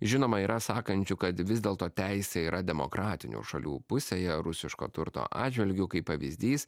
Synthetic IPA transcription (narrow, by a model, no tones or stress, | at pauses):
ʒʲɪnoːmɐiːɾʔɐsɑːkɐnʲt͡ʃʲʊkɐt̪ʋʲɪzʲd̪ʲeːlˠt̪oːt̪ʲɛɪsʲɛiːɾʔɐd̪ʲɛmo̰ːkɾʔɑːt̪ʲɪnʲṵːʃɐlʲṵːpʊsʲeːjɛɾʊsʲɪʃko̰ːt̪ʊɾt̪o̰ːʔɑ̰ːd͡ʒʲʋʲɛlʲɡʲʊkɐɪpːɐʋʲḭzʲd̪ʲiːs